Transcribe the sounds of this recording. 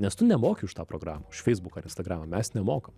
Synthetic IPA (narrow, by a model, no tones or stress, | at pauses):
nʲɛst̪ʊnʲɛmoːkʲɪʊʃt̪ɑːpɾoɡɾɑːmɐʊʃfʲɛɪzbʊkɐɾɪnst̪ɐɡɾɑːmɐmʲɛsnʲɛmoːkɐm